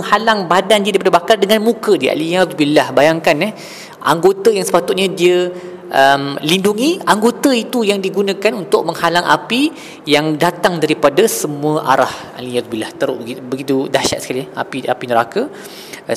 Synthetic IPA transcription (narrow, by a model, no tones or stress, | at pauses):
əŋhalaŋbadandiədaɾipadabakardəŋãnmũkədia̰lijabilahbajaŋkanɛh | ʔa̰ŋɡot̪ajaŋsə̥pat̪ʊt̪̚ɲadiə | ʔəmlinduŋiaŋɡot̪əit̪ujaŋdiɡunãkanunt̪ʊʔ̚məŋhalaŋʔa̰pi | jaŋdat̪aŋdaɾipadasəmũəʔa̰ɾah | a̰lijad̪̚bilaht̪əɾʊ̰ʔibəɡit̪udaʃa̰t̪̚sə̥kalia̰piapinəɾaka